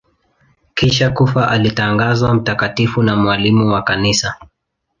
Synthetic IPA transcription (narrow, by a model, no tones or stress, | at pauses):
kiʃakufaʔalitaŋɡazwam̩takatifunamwalimuwakanisa